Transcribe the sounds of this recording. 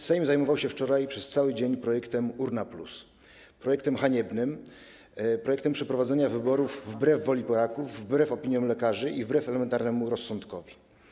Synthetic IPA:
sɛjmzajmɔvawɕɛft͡ʂɔɾajpʂɛst̪sawɘd͡ʑeɲpɾɔjɛkt̪ɛmuɾnaplṵs | pɾɔjɛkt̪ɛmxaɲɛbnɘm | pɾɔjɛkt̪ɛmpʂɛpɾɔvad̪zɛɲavɘbɔɾuvːbɾɛvːɔlʲipɔɾakuvːbɾɛfɔpʲiɲjɔ̃mlɛkaʐɘʔivbɾɛfɛlɛmɛnt̪aɾnɛmuɾɔsːɔnt̪kɔvʲi

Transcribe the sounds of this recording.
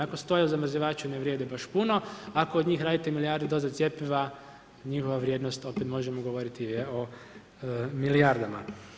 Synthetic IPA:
ako̞st̪o̞jauzamɾziʋaːt͡ʃuneʋɾjeːd̪ebaʃpuno̞akoːd̪ɲiːxɾaːd̪it̪emiliaɾd̪ed̪o̞zat̪sje̞piʋa | ɲixoʋaʋɾʲjed̪nost̪o̞pet̪mo̞ʒemoɡoʋo̞ɾit̪ijeo̞ | miliaɾd̪ama

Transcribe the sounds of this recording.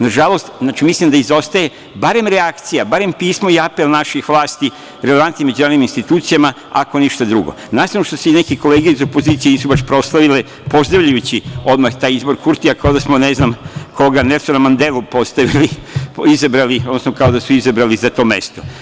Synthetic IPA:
naʒalˠo̞st̪aːt͡ʃimislimd̪aizo̞st̪aje̞ | baɾe̞mɾeakt̪sijabaɾe̞mpiːsmo̞iapelnaʃixʋlˠaːst̪i | ɾeleʋant̪nime̞d͡ʒunaːɾoiminst̪it̪uːt̪sijama | a̰ko̞niʃt̪ad̪ɾuɡo̞̰nasanoʃt̪oseinekeko̞leːɡieizo̞po̞ziːt̪sienisubaʃpɾo̞slˠaʋile | po̞zd̪ɾaʋʎajut͡ɕio̞d̪maxt̪aːjizbo̞ɾkuɾt̪iakaod̪asmoneznamkʰo̞ɡanesunamand̪elˠupo̞st̪aʋiliizabɾaliod̪nosnokao̞d̪asuizabɾalizat̪o̞me̞̰st̪o

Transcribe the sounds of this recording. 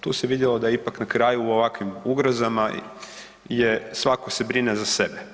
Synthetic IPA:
t̪uːseʋid̪jelo̞d̪ajipaknakɾaːjuːo̞ʋakʋimuɡɾozama | jesʋako̞se̞bɾinezase̞be

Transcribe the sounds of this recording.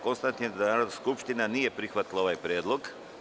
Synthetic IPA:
konst̪ant̪nied̪anaːɾod̪naskupʃt̪inanije̞pɾixʋat̪ilao̞ʋajpɾjeːd̪lo̞ɡ

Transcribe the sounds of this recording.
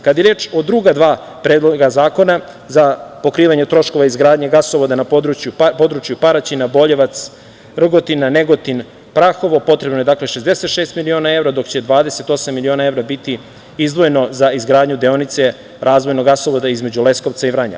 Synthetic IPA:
kad̪jeɾeːt͡ʃod̪ɾuɡad̪ʋaː | pɾeːd̪lˠoɡazaːko̞na | zapo̞kɾiːʋaɲe̞t̪ɾo̞ʃko̞ʋaizɡɾaːd̪ɲaɡasoʋod̪anapod̪ɾut͡ɕjupo̞d̪ɾut͡ʃjupaɾat͡ɕinabo̞ʎeʋat̪s | r̩ɡo̞t̪inːane̞ɡot̪in | pɾaxo̞ʋopo̞t̪ɾe̞bnojed̪akleʃezd̪e̞se̞t̪ʃeːst̪milio̞ːnae̞vɾad̪o̞kt͡ɕe̞d̪ʋaːd̪ese̞t̪o̞samːilio̞ːnae̞vɾabit̪i | izd̪ʋo̞jeno̞zaizɡɾaːd̪ɲud̪eonit̪se̞ | ɾʔaːzʋo̞jnoɡasoʋod̪aizme̞d͡ʑule̞sko̞ʋt̪saivɾaɲa̰

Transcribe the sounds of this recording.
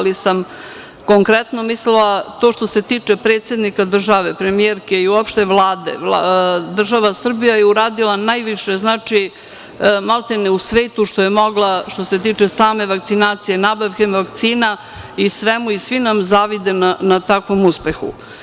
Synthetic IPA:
lisam | ko̞ŋkɾɛt̪no̞mislilat̪o̞ːʃt̪o̞set̪iːt͡ʂepɾe̞t̪sje̞d̪nikad̪r̩ʒaʋepɾe̞mie̞ɾke̞iuopʃt̪e̞ʋlˠaːd̪ḛʋlad̪r̩ʒaʋasr̩bijajeuɾaːd̪ilanaːjʋiʃe̞znaːt͡ʂi | malt̪eneusʋe̞ːt̪uʃt̪o̞je̞mo̞ɡlaʃt̪o̞se̞t̪iːt͡ʂe̞saːme̞ʋakt̪sinaːt̪sijenabaʋkemʋakt̪siːna | isʋemuisʋinamzaʋid̪e̞nanat̪akʋo̞muspe̞xṵ

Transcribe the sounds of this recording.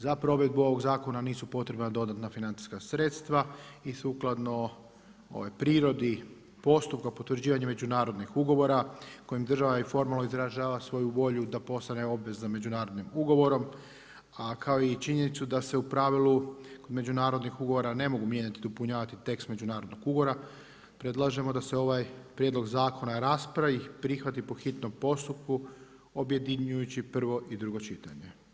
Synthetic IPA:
zapɾo̞ʋe̞d̪̚buo̞ʋo̞ɡzaːko̞naniːsupo̞t̪ɾe̞bnad̪o̞d̪at̪nafinant̪i̥skasɾe̞t̪st̪ʋaisuklˠad̪no̞ | o̰ʋajpɾiːɾo̞d̪i | po̞st̪up̚kapo̞t̪ʋɾ̩d͡ʑiːʋaɲeme̞d͡ʒunaːɾo̞d̪nixuɡo̞ʋo̞ɾako̞jimd̪r̩ʒaʋaifo̞ɾmalˠnoizɾaʒaːʋasʋo̞juʋo̞ʎud̪apo̞st̪ane̞o̞bʋe̞zzame̞d͡ʒunaːɾo̞d̪nimuɡo̞ʋo̞ɾo̞m | akʰao̞it͡ʃiɲe̞nit̪sud̪ase̞upɾaʋiluko̞d̪me̞d͡ʑunaːɾo̞d̪nixuɡo̞ʋo̞ɾane̞mo̞ɡumje̞ɲat̪id̪opuɲaːʋat̪it̪e̞kst̪me̞d͡ʒunaːɾo̞d̪noɡuɡo̞ɾa | pɾe̞d̪lˠaʒe̞mo̞d̪aseo̞ʋajpɾʲjed̪lo̞ɡzaːko̞naɾaːspɾaiipɾixʋat̪ipo̞xit̪no̞mpo̞st̪upku | o̞bje̞d̪iɲujut͡ɕipr̩ʋo̞ʔid̪ɾuɡo̞t͡ʃit̪aɲe̞

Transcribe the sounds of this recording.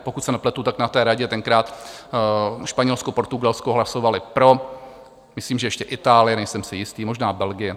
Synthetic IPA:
pokut̪sɛnɛplɛt̪ut̪aknat̪ɛːɾaɟɛt̪ɛŋkɾaːt̪ | ʃpaɲɛlskopo̞ɾt̪uɡalskoɦlaso̞valɪpɾo̞ | mɪsliːmʒɛjɛʃcɛʔɪt̪aːlɪjɛnɛjsɛmsɪjɪst̪iːmoʒnaːbɛlɡɪjɛ

